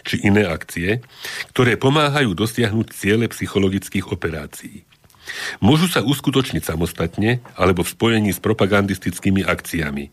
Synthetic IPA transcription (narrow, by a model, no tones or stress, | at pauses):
t͡ʃiʔinɛːakt͡siɛkt̪ɔɾɛːpɔmaːɦajuːd̪ɔsɪaɦnuːct͡sɪɛʎɛpsixɔlɔɡit͡skiːɣɔpɛɾa̰ːt͡siiː | mʊɔʒusauskut̪ɔt͡ʃɲicsamɔst̪at̪ɲɛalɛbɔfspɔjɛɲiːspɾɔpaɡand̪ist̪it͡skiːmiʔakt͡siamḭ